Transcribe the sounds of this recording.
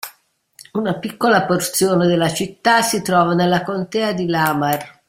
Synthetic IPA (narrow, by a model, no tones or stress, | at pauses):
unapikːolaport̪sjoːned̪elːat͡ʃit̪ːasːit̪ɾɔːvanelːakont̪ɛːad̪ilaːmar